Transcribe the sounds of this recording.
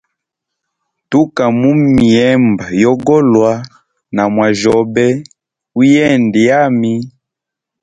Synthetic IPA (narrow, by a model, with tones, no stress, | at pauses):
tu˦ka˨mu˦mi˨ɛ˦mba˨jɔ˦ɡɔ˦lwa˦ | na˨mwa˨ʒɔ˨bɛ˦ | u˦jɛ˦˨ndi˨ja˦mi˦